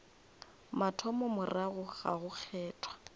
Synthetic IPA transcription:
matʰɔmɔmʊraɣʊɣa̰ɣʊk͡xʰɛːtʰwḁ

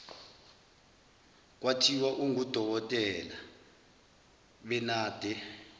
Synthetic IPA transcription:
k̬ʼwatʰiwaʔuŋud̥ʱɔk̬ɔtʼɛla | ɓɛnaːd̥ʱɛ

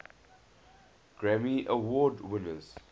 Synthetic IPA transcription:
ɡ̥ɹɛmiʔəwɔːdwɪnəz̥

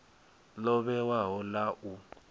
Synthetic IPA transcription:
lɔβɛwaɦɔlaʔu

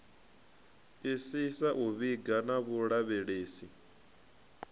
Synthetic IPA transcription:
isisaʔuβiɡanaβuɺaβeɺeːsi

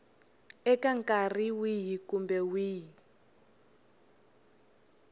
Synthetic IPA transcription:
ɛkaŋkʼariwiɦikumbɛwiːɦi

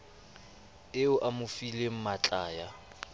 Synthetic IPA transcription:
ɪʊʔamʊfilem̩mat͡ɬʼaːja

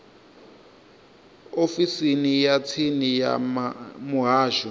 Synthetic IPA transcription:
ofisinijat͡sʰinija̰mamuɦaːʃu

